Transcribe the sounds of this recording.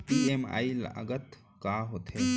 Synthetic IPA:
pieːma̰ːjilə̰ɡət̪ | kaːɦoːt̪ʰeː

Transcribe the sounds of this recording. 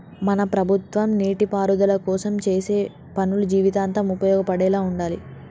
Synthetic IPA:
mɐnɐpɾɐbʱut̪ʋɐmniːʈipaːɾud̪ɐlɐkɔːsɐmt͡ʃe̞ːse̞ː | pɐnulud͡ʒiːʋit̪aːnt̪ɐmupɐjɔːɡɐpɐɽɛːlaːuɳɖaːlḭ

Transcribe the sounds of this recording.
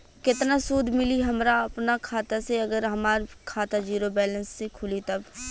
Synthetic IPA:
kɪt̪nasuːd̪ʱmɪliɦɐmɾaɐpnakʰaːt̪aseɐɡəɾɦɐmaːɾkʰaːt̪ad͡ʒiːɾobɛːlə̃nsːekʰʊlit̪ɐb

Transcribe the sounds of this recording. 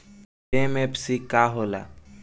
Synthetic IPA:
eːmepsikaːɦoːla̰ː

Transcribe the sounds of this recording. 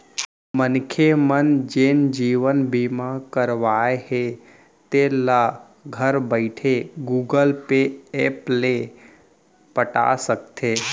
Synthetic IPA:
mənkʰemənd͡ʒeːnd͡ʒiːʋənbiːmakəɾʋaːehe | t̪ela | ɡʱəɾbəɪʈʰeɡuːɡəlpeeːple | pəʈa̰sək̚t̪ʰeː

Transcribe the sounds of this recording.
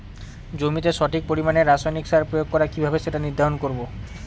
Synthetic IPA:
d͡ʑomit̪eʃɔʈʰik̚poɾimaneɾasajniksaɾpɾojoɡ̚kɔɾakibʱabeʃeʈaniɾd̪ʱaɾonkoɾbo

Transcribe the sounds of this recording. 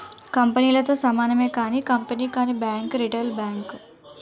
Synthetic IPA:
kɐmpəniːlɐt̪oːsɐmaːnɐmeːkaːnikɐmpɐniːkaːnibaːŋkɾiʈelbaːŋk

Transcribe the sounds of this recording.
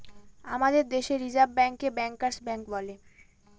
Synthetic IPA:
amad̪eɾd̪eʃeɾid͡ʑabbɛŋkebɛŋkaɾsbɛŋkbɔle

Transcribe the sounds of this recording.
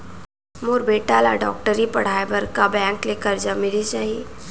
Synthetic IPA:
moːɾbeːʈalaɖɔːk̚ʈəɾipɐɽ̤aːjbəɾkabɛ̃ːŋklekəɾd͡ʒamɪlit͡ʃaːɦie

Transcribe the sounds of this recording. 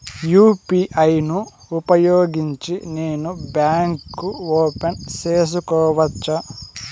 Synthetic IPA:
juːpiʔɐjnuː | pɐjoːɡiɲt͡ʃine̞ːnubjaːŋkːuoːpenseːs̬ukɔːʋɐt͡ʃːɐ

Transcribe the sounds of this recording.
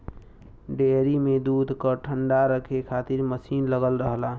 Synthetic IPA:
ɖeɾimed̪ud̪ʱkəʈʰəɳɖaɾəkʰekʰat̪iɾməsiːnləɡəlɾəɦla

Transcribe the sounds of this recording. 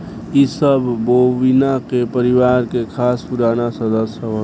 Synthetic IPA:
isəbːoʋinakepəɾɪwaːɾkekʰaːspuɾaːnasəd̪əsjəɦo

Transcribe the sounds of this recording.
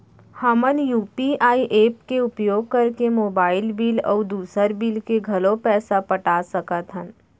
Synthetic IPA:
həmənjuːpiʔaːiʔeːp̚keʊpjoːɡ̚kɐɾkemoːbaːɪlbiːlɔ̰ːd̪uːsəɾbiːlkeɡʱɐlõpɛːsapɐʈasɐkət̪ɦən

